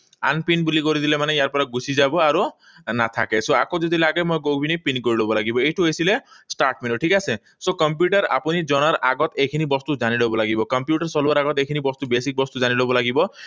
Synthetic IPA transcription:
a̰npinbulikɔɾid̪ʰilemanejaɾpɔɾaɡusid͡ʒabɔaɾu | na̰t̪ʰa̰kesoakod͡ʒɔd̪ʱilaɡemɔjɡobʱinipinkɔɾiɭobɔlaɡibɔeʈʰuesilesʈaɾʈmenoʈʰikase | sokɔmp̬juʈɔɾa̰puñid͡ʒɔɽ̃aɾaɡɔt̪ekʰinibɔst̪ud͡ʒanilobɔlaɡibɔkɔmpjuʈaɾsɔluaɾaɡɔt̪ekʰinibɔst̪ubesik̚bɔst̪ud͡ʒanilobɔlaɡibɔ

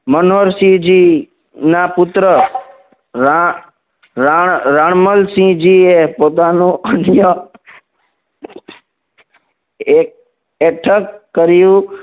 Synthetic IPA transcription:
mənɦoɾsĩd͡ʒiː | napʊt̪ɾə | a | ɾaɳɾaɳməlsĩd͡ʒiːepoːt̪̬anũənjə | ek̚ | eʈʰəkːəɾjũ

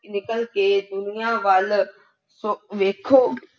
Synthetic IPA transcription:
nɪkəlkeːd̪ʊnijaʋaːl | soʋeːkʰoː

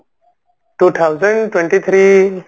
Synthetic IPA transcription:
ʈuːt̪ʰawzə̃ɳɖʈwẽɳʈit̪ʰɾiː

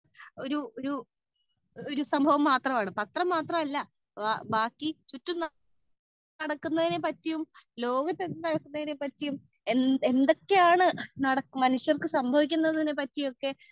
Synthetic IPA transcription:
o̞ɾuoɾu | oɾusɐmbʱɐʋɐmːaːt̪rɐmaːɳɨpɐt̪rɐmːaːt̪rɐmɐlːɐ | abaːkːit͡ɕutːumn | ɐɽɐkːunːɐðinepɐtːijumlo̞ːɡɐt̪ːennɐɽɐkːunːɐðine̞pɐtːijum | ee̞nd̪o̞kːe̞jaːɳɨnɐɽɐkːmɐnuʂjɐrkɨsɐmbʱɐʋik̬ʲːunːɐðɨðinːe̞pɐtːijo̞kːe̞

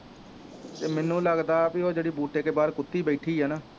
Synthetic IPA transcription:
t̪eːmɛːnũːləɡd̪aːpioːd͡ʒeːɽiːbuːʈekeːbaːɾkʊt̪ːiːbɛːʈʰiːɦɛːnaː

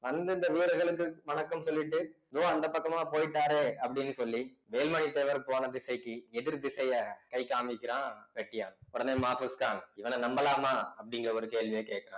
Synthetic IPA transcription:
ʋɐnd̪ɯɪnd̪ɐʋiːɾɐɣɐɭɯkːɯʋɐnɐkːɐmsɔlːɪʈːɯɐðõːɐnd̪ɐpɐkːɐmaːpoːjɪʈːaːɾeːɐpːɐɽɪnːɯsɔlːi | ʋeːlmɐɳit̪ːeːʋɐɾpoːnɐd̪ɪsɐɪkːɯɛðɪɾd̪ɪsɐjɐkɐɪkaːmɪkːɪɾãːʋɛʈːɪjaːnʊɽɐneːmaːfuskaːŋɪʋɐnɐnɐmbɐlaːmaːɐpːɐɽɪŋɡɪɾɐɔɾɯkeːlʋɪjɐkeːʈkːɪɾãː

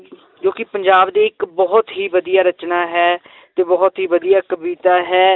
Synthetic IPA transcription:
d͡ʒoːkɪpəɲd͡ʒaːbd̪iːɪkbɔːt̪ɦiːʋəd̪ijaːɾət͡ʃnaːɦɛː | t̪eːbɔːt̪ɦiːʋəd̪ijaːkəbiːt̪aːɦɛː

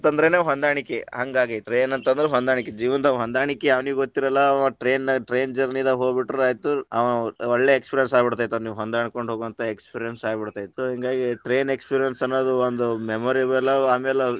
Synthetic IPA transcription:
t̪ɐnd̪ɐɾeneɦond̪aːɳikːeɦɐŋɡaːɡiʈɾeːnɐnt̪ɐnd̪ɐɾeɦond̪aːɳiked͡ʒiːʋɐnd̪ɐɦond̪aːɳikːeɐʋniːʋuɡot̪ːiɾɐlːɐɐʈɾe̞ːnʈɾeːnd͡ʒɐɾnind̪ɐɦoːɡbiʈːɾeaːjit̪ːuɐ̰ʋnuoɭːeekspiːɾijɐnsaːɡbiɽt̪aːjt̪ːuniːʋuɦond̪aːɳkoɳɖɦoːɡɐnt̪ɐekspiːɾijɐnsaːɡbiɽt̪aːjit̪ːusoɦiŋɡaːɡiʈɾe̞ːnekspiːɾijɐnsɐnːoːd̪uond̪umemoːɾibɛlːɐaːmeːle

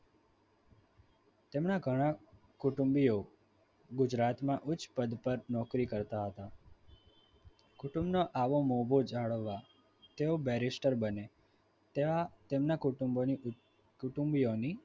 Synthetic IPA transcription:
t̪emnaɡʱəɽ̃ã | kʊʈumbio | ɡʊd͡ʒɾat̪mãʔʊt͡ʃpəd̪pəɾnɔkɾikəɾt̪aɦət̪a | kʊʈũmbnoʔaʋomobʱod͡ʒaɭʋːa | t̪eobɛɾisʈəɾbəne | t̪eat̪emnakuʈumoni | kʊʈumbioni

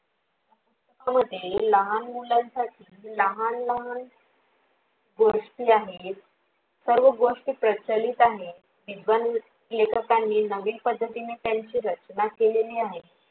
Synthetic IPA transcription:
atətəkaməd̪ʱːjeləɦanmulansaʈʰiːləɦanləɦan | ɡoʂʈiːaɦe | səɾʋəɡoʂʈiːpɾət͡ɕəliːt̪aɦe | ʋid̪ʱʋan | lekʰəkanːiːnəʋiːpəd̪ʱːət̪inet̪jaɲt͡ɕiːɾət͡ɕnakeleliːaɦe

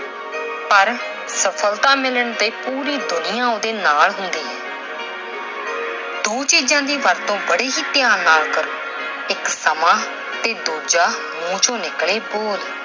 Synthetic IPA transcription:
pəɾ | səpʰəlt̪ãːmɪləɳd̪eːpuːɾiːd̪ʊnɪjãːoːd̪eːnaːlɦʊnd̪iːɦɛ̃ː | d̪oːt͡ʃiːd͡ʒãːd̪iːʋəɾt̪õːbəɽeːɦiːt̪ɪjaːnnːaːlkəɾoː | ɪksəmãː | t̪eːd̪oːd͡ʒaː | mũːt͡ʃõːnɪkleːboːd̪

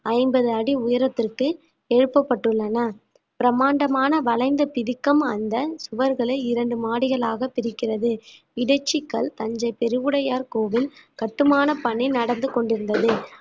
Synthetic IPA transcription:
ɐɪmbɐðɯɐɽiʊjɐɾɐt̪ːɪrkɯ | eɻɯpːɐpːɐʈːɯɭːɐnɐ | pɪɾɐmaːɳɖɐmaːnɐʋɐɭɐɪnd̪ɐpɪðɪkːɐmɐnd̪ɐsʊʋɐɾɣɐɭɐɪɾɐɳɖɯmaːɽɪɣɐɭaːɣɐpɪɾɪkːɪrɐðɯ | ɪɽɐɪt͡ʃːɪkːɐɭt̪ɐɲd͡ʒɐɪpɛɾɯʋɯɽɐjaːɾkoːʋɪlkɐʈːɯmaːnɐpɐɳɪnɐɽɐnd̪ɯkɔɳɖɪɾɯnd̪ɐðɯ

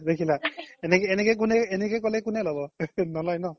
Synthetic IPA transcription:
d̪ekʰilaɛnɛkːnɛkɔjk̬ʊnɛɛnɛkɛjkɔlɛkʊnɛlɔbɔnɔlɔjnɔ

